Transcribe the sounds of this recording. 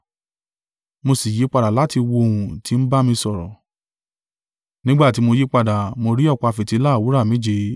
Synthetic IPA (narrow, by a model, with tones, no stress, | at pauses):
mo˧si˨ji˨˦k͡pa˧˨da˨la˨˦ti˧wo˧˨ũ˨tʰi˨˦n̩˦ba˦mĩ˧sɔ˨ɾɔ̰˨ | nĩ˦ɡ͡ba˦˨ti˨˦mo˧ji˦k͡pa˧da˨mo˧ɾi˦ɔ˦˨k͡pa˨˧˨fi˨ti˨˧˦la˦˨wu˨˦ɾa˦˨mĩ˨˦d͡ʒe˧